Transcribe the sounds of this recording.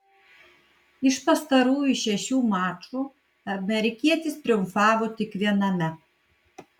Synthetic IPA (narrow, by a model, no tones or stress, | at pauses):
ɪʃpɐst̪ɐɾuːjuʃʲɛʃʲuːmaːt͡ʃuː | ɐmʲɛɾʲɪkʲiɛt̪ʲɪst̪ʲɾʲɪʊmfɑːʋot̪ʲɪkʋʲiɛnɐmʲɛ